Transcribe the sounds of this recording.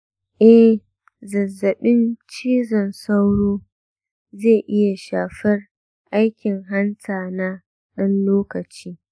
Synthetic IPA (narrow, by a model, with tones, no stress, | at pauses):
ʔɛ˦h | zɐ˨zːɐ˨ɓɪ˦nt͡ʃiː˦zɔ˨nsa˦wɽoː˦ | zeː˦˨ʔɪ˦ja˨ʃaː˨ɸɐ˦r | ʔa˦jkʲɪ˨ŋɦa˦nsaː˨naː˦ | ɗɐ˦nloː˦kɐ˨t͡ʃiː˦